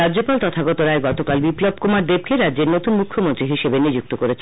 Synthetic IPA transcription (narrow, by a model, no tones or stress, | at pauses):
adʑopalt̪ɔt̪ʰaɡɔt̪oɾaeɡɔt̪okalbiplob̚komaɾd̪eb̚keɾadd͡ʑeɾnot̪unmukʰːomont̪ɾiɦiʃebenid͡ʑuk̚t̪okoɾet͡ɕʰe